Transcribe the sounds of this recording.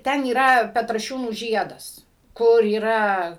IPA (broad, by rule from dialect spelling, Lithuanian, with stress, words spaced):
ˈtʲɛn iːˈrɐ pʲɛtrɐˈʃʲuːnuː ˈʒʲiɛdɐs ˈkʊr iːˈrɐ